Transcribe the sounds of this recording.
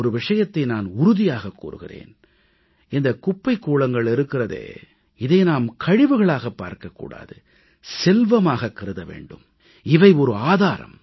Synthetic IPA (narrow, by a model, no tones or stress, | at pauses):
ɔɾɯʋɪʂɐjɐt̪ːɐɪnaːnʊɾʊðɪjaːɣɐkːṵːɾɯ̰ɣɪ̰rḛːn | ɪnd̪ɐkʊpːɐɪkːuːɭɐŋɡɐɭɪɾɯkːɪrɐðḛː | ɪðɐɪnaːmkʰɐɻɪʋɯɣɐɭaːɣɐpːa̰ːɾkɐkːṵːɽa̰ːðɯ | sɛlʋɐmaːɣɐkːɐɾɯðɐʋḛːɳɖɯm | ɪʋɐɪɔɾɯaːðaːɾɐ̰m